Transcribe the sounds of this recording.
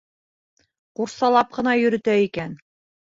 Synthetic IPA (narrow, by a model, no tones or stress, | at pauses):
quɾsɑlˠɑp̚qɤ̆nɑjɵ̆ɾɘ̆t̪æikæn